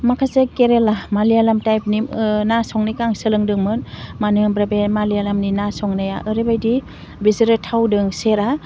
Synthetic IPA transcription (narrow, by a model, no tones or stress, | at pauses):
makʰasekeɾelamalijalamtajp̚ninasɔŋnikaŋsɯlɯŋdɯŋmɯnmanɯbɾabemalijalamninasɔŋnaja̰ʔɯɾebajdi | biziɾɯtʰawdɯŋseɾa